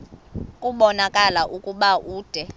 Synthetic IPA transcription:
kʼuɓɔnakʼalaʔukʼuɓaʔuːd̥ʱɛ

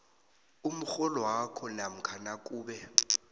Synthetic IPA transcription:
um̩xɔlɔwakʰɔnam̩kʰanakʼuːɓɛ

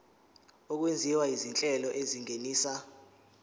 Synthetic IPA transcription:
ɔk̬wend͡zʱiwaizint͡ɬʼɛlɔʔeziŋeniːsa

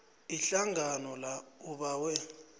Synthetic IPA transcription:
iɬaŋʱanɔlauɓaːwɛ

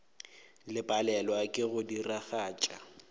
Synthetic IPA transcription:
lɪpʼalɛlwakʼɪɣʊdiraɣaːt͡ʃʼa

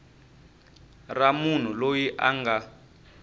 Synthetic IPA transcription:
ramun̤ulojiʔaŋɡa

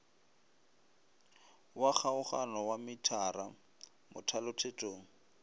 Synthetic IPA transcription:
wak͡xʰaʊχanɔwamɪtʰara | mʊ̰tʰalʊtʰetʼoːŋ̩

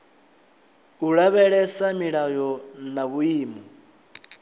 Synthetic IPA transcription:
uɺaβɛɺɛsamiɺajɔnaβuiːmɔ

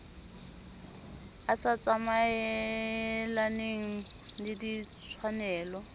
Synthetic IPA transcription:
asat͡sʼamaɛ | laneŋ̩ | lidit͡sʰwanɛːlɔ

